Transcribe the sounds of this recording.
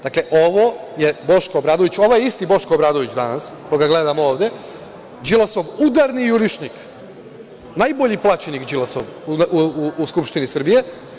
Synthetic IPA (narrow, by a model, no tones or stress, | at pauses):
d̪aklˠeʔo̞ʋojebo̞ʃkoːbɾaːd̪oʋit͡ɕo̞ʋojeist̪ibo̞ʃkoobɾaːd̪oʋit͡ɕd̪anaskojɡaɡle̞d̪amooːʋd̪e | d͡ʒilasoʋud̪aɾniuɾiʃnik | najboʎiplˠat͡ʃenikd͡ʒilˠaso̰ʋuuuuskupʃt̪inisr̩bije̞